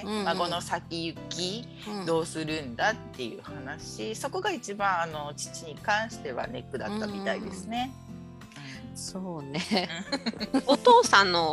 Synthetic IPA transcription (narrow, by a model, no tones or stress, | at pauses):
maɡo̞no̞sakʲijɯ̟kʲːi | d̪o̞ːsɨɾɯ̟̃nd̪at̪ːe̞jɯ̟̰ːhanaɕiso̞ko̞ɡait͡ɕibãɰ̃ano̞t͡ɕi̥t͡ɕiɲ̟ikãɰ̃ɕi̥t̪e̞βa̰ne̞̰kːɯ̟d̪a̰t̪ːamʲit̪aid̪e̞sɨne̞ | soːneɯ̃ | ot̪oːsãnːo